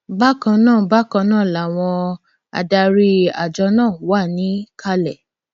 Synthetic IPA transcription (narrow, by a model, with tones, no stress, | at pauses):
ba˦kã˧nãː˦˨ba˦kã˧nãː˦˨la˨w̃ɔ̃˧ | a̰˨da˧ɾi˦a̰˨d͡ʒɔ˧˦nãː˦˨wa˦˨nĩ˨˦ka˦lɛ˦˨